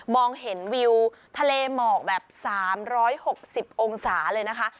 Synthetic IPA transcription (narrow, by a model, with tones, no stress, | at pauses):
mɔː˧ŋɦe˩˦nwi˧w | t̪ʰa˧leː˧mɔː˨˩k̚bɛː˨˩p̚saː˩˦mɾɔː˦˥jho˨˩k̚si˨˩p̚ʔo˧ŋsaː˩˦lɤː˧jna˦˥kʰa˦˥ʔ